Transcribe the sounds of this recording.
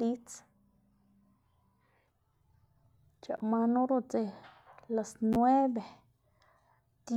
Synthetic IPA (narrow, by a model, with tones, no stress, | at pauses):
li˦t͡s | t͡ʃa̰˨ma˧nõ˦ɾo˧t͡se˧la˨snwe˦be˨ | d̪̥